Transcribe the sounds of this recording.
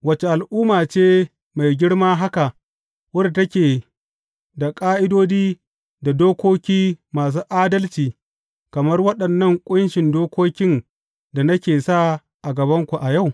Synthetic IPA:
wɐ˨t͡ʃe˨ʔa˨lʔuː˦maː˨t͡ʃeː˦ | ma˨jɡʲɪ˦ɽmaː˦ɦa˦ka˨ʔ | wɐ˦ɽtɐ˦kʲeː˨ | da˨kʼaː˦ʔɪ˦doː˦d͡ʒiː˦ | da˨doː˦kʷoː˦kʲiː˦maː˨s̬uː˦ʔaː˦dɐ˦lt͡ʃiː˨ | kɐ˨mɐ˦rwɐ˦ɗɐ˨nːɐ˦ŋkʷʼʊ˦nʃɪ˨ndoː˦kʷoː˦kʲɪ˦n | da˨nɐ˦kʲeː˨sa˦ | ʔa˨ɡɐ˨bɐ˦ŋkʷu˨ʔa˨ja˦˨w

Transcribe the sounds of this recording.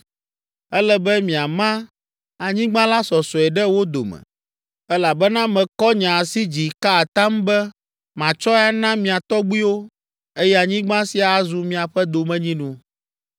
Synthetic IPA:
ɛ˦lɛ˦bɛ˦mĩ˨a˨mã˦ | a˨ɲĩ˦ɡ͡bã˦la˦sɔ˨sɔ˨ɛ˨ɖɛ˦wo˦d̪o̰˨mɛ̰̃˨ | ɛ˦la˨bɛ˦nã˦mɛ̃˨kɔ˦ɲã˨a˨si˦d͡ʑi˨ka˦a˨t̪ã˦mbɛ˦ | mã˨t͡ʃɔ˦a˦nã˦mĩ˨a˨t̪ɔ˦ɡ͡bi˦wo˦ | e˦jɛ˦a˨ɲĩ˦ɡ͡bã˦si˦a˨a˦zu˨mĩ˦a˨ɸɛ˦d̪o˨mɛ̃˦ɲĩ˦nũ˨

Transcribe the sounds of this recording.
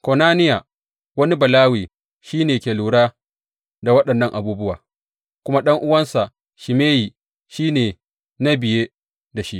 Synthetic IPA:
ko˨naː˦nɪ˦ja˨ | wɐ˦ni˦bɐ˨laː˦wiː˨ | ʃiː˦neː˨kʲeː˨luː˨ɽaː˦ | da˨wɐ˦ɗɐ˨nːɐ˦ŋʔa˨buː˦bʊ˦wa̰ː˨ | kʷʊ˦ma˦ɗɐ˦ŋʔʊ˦wɐ˦nsa˨ʔ | ʃɪ˨meː˦ji˨ | ʃiː˦neː˨ | na˦bɪ˨jeː˦ | da˨ʃi˦ʔ

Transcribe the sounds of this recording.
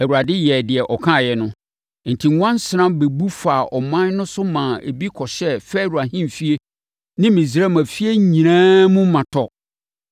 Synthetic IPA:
æ˨wu˨a˨dɪ˦jɛ˨dɪ˨ɛ˨ʔɔ˨kʰã˦˨jɛ˨nʊ̃˦˨ | n̩˨tʰi˨ŋ˦wã˦n˦sɪ˨nã˦be˨bu˦fa˨ʔɔ˨mã˦n˦nʊ̃˦sʊ˦mã˨ḛ˨bi˦kʰɔ˨ɕɛ˦fɛ˦˨ɾu˨a˨ɦĩ˦mfi˦e˦ | nɪ̃˦mĩ˨zi˨ɾɛ˦mã˨fi˦e˦ɲĩ˨nãː˦mũ˦mã˨tʰɔ˦˨

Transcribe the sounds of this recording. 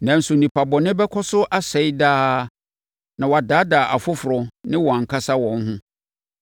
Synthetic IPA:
nã˨n̩˦sʊ˨nĩ˨pʰa˨bɔ˨nɪ̃˦bɛ˦kʰɔ˦sʊ˦ʔa˦sɛ˨˦i˦daː˦ | nã˨wa˨daː˨˦daː˨ʔa˨fʊ˦fʊ˨ɾɔ˨nɪ̃˦wɔ̃˨a˨ŋ̩˨kʰa˦sa˦wɔ̃˨n˦ɦʊ̃˦

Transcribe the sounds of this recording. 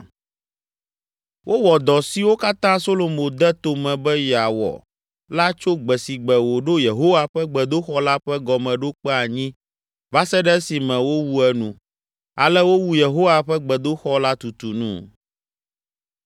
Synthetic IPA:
wʔo˦wɔ˨d̪ɔ˨si˨wo˦ka˦t̪ã˦so˦lo˨mo˨d̪ɛ˦t̪o˨mɛ̃˨bɛ˦ja˨wɔ̰˨ | la˦t͡ʃo˦ɡ͡bɛ˨si˨ɡ͡bɛ˨wo˨ɖo˦je˨ɦo˦wa˦ɸɛ˦ɡ͡bɛ˨d̪o˦xɔ˦la˦ɸɛ˦ɡɔ˨mɛ̃˨ɖo˦k͡pɛ˦a˨ɲĩ˦ | va˦sɛ˦ɖɛ˦si˨mɛ̃˨wo˦wu˦ɛ˦nũ˨ | a̰˨lɛ˦wo˦wu˦je˨ɦo˦wa˨ɸɛ˦ɡ͡bɛ˨d̪o˦xɔ˦la˦t̪u˨t̪u˨nṵ̃˦

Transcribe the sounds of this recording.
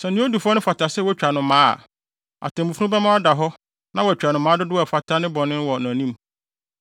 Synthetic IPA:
sɛ˨nɪ̃˦o˦du˨fɔ˦nʊ̃˦fa˨tʰa˨sɛ˦wɔ˦t͡ɕᶣa˨nʊ̃˨mã̰ː˦˨ | a̰˨tʰɛ̃˨mũ˨fu˦nũ˦bɛ˦mã˦a˦da˨ɦɔ˦ | nã˦wɔ˨æ˨t͡ɕᶣa˨nʊ̃˨mːãː˨˦dʊ˦dʊ˦a˨fa˨tʰa˦nɪ̃˦bɔ̃˨nɪ̃˦n˦wɔ˨nã˨nĩ˦m

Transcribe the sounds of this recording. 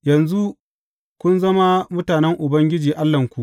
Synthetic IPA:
jɐ˨nzu˦ | kʷʊ˦nzɐ˦ma˦mʊ˦taː˨nɛ˦ŋʔʊ˨bɐ˦ŋɡʲɪ˦d͡ʒiː˨ʔa˦lːɐ˨ŋkʷu˨ʔ

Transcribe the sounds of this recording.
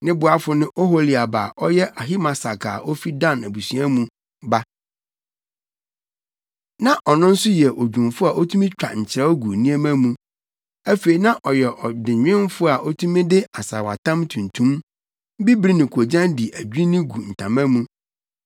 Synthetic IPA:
nɪ̃˦bʊ˨a˦fʊ˦nɪ̃˦ʔɔ˦ɦo˦li˨a˨baː˨ʔɔ˦jɛ˦ʔa˨ɦi˦mã˨sa˨kʰa̰ː˨ʔɔ˦fi˦dã˦næ˨bu˨sɥa˦mũ˨ | ba˦ | nã˦ʔɔ˨nʊ̃˦n̩˦sʊ˦jɛ˨ʔo˨d͡ʑᶣũ˨mfʊ˦a˨ʔo˦tʰũ˦mĩ˦t͡ɕᶣa˨ɲ̩˨t͡ɕʰɪ˨ɾɛ˦ɔ˦ɡu˨nĩ˦ɛ˦mã˦mũ˦ | æ˦fe˨i˨nã˦ʔɔ˨jɛ˨ʔɔ˨dɪ̃˨ɲᶣɪ̃˦n˦fʊ˦a˨ʔɔ˦tʰũ˦mĩ˦dɪ˦a˨sa̰˨wa̰˨tʰã˦mtʰũ˨n˨tʰũ˦m˦ | bi˦bɾi˦nɪ̃˨kʰo˨d͡ʑã˦ndi˨ʔæ˨d͡ʑᶣi˦nɪ̃˦ɡu˨n̩˨tʰã̰˨mã˦mũ˦

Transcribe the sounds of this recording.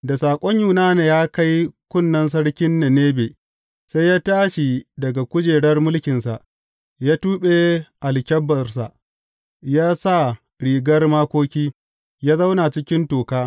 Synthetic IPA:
da˨saː˨kʷʼɔ˦ɲjuː˨naː˦ne˨jaː˦ka˦jkʷʊ˦˨nːɐ˦ns̬ɐ˦ɽkʲɪ˦nːe˨neː˦beː˨ | sa˦jaː˦taː˦ʃi˨dɐ˨ɡa˨kʷʊ˦d͡ʒeː˨ɽɐ˦rmʊ˦lkʲɪ˨nsa˨ʔ | jaː˦tuː˦ɓe˦ʔa˨lkʲɐ˦bːɐ˨rsa̰˨ʔ | jaː˦sa˦˨ | ɽiː˨ɡɐ˦rmaː˦kʷoː˦kʲiː˦ | jaː˦za˦wna˨t͡ʃɪ˦kʲɪ˦ntoː˨kaː˦

